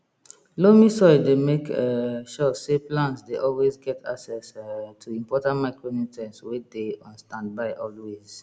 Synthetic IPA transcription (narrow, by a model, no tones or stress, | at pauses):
lomisɔɪdemekɛʃɔseplãntsdeʔɔlwezɡɛtʰa̰ksɛstʰuĩmpɔtãntmaɪkɹomĩtʰɛ̃nswedeɔ̃nstãnd̚baɪʔɔlwez̥